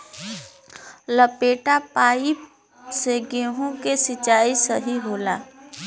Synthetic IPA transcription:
ləpeːʈapaːi | seɡeːɦõkesɪt͡ʃaːisəɦiɦoːlaː

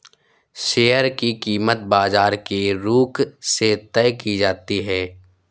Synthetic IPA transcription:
ʃeːjəɾkikiːmət̪̚baːzaːɾkeɾuːkset̪ɛjkid͡ʒaːt̪iɦɛː

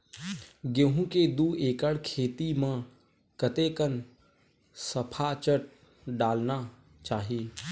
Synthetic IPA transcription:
ɡẽɦũked̪uːeːkəɽkʰeːt̪imã | kət̪ekən | sɐpʰat͡ʃəʈ̚ | ɖaːlna | t͡ʃaːɦiː

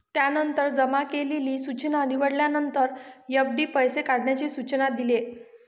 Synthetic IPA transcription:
t̪janənt̪əɾd͡zəmakeleliːsut͡ɕnaəniʋəɽljanənt̪əɾjəb̚ɖ̪iːpəjsekaɽɳjat͡ɕisut͡ɕnad̪ile

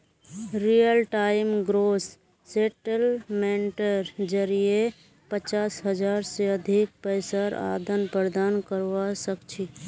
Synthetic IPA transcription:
ɾijəlʈaɪmɡɾoːsː | eʈəlmeɳʈəɾd͡ʒəɾije | pət͡ʃaːsɦəd͡ʒaːɾseəd̪ʱik̚pəɪsəɾa̰ːd̪ənpəɾd̪aːnkəɾʋasəkt͡ʃʰi

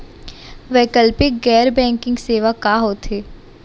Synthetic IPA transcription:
ʋɛːkəlpɪk̚ɡɛːɾbɛ̃ːŋkɪ̃ŋɡseːʋakaɦoːt̪ɦeː

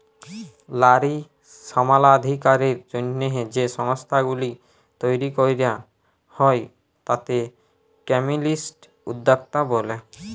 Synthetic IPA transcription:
laɾi | ʃɔmalad̪ʱikaɾiɾd͡ʑonːeɦed͡ʑeʃɔŋst̪ʰaɡuli | t̪ojɾikojɾja | hɔj | t̪at̪e | kɛmilisʈ | ud̪ːak̚t̪abole

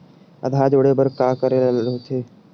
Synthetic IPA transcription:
ə̰d̪ʱaːd͡ʒoɽebəɾkaːkəɾeoːt̪ʰeː

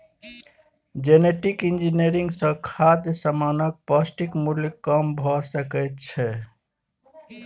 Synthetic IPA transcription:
d͡ʒeneʈikind͡ʒineɾiŋɡsə̃kʰad̪jəsamanək̚plasʈikmuljkəmbʱɔsəkɛt̪t͡ʃʰɛ

